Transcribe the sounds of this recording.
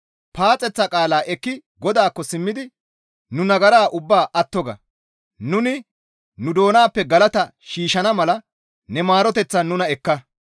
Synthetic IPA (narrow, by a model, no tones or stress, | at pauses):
paːt͡sʼːɛt͡sːɐkʼaːlaːʔɛkːɪɡɔd̪aːkːɔsɪmːɪd̪ɪ | nʊnɐɡɐɾaːʔʊbːaːʔɐt̪ːɔɡɐ̰ | nʊnɪ | nʊd̪o̞ːnaːpːɛɡɐlɐt̪ɐʃiːʃɐnɐmɐlɐ | nɛmaːɾɔt̪ɛt͡sːɐnʊnɐɛkːɐ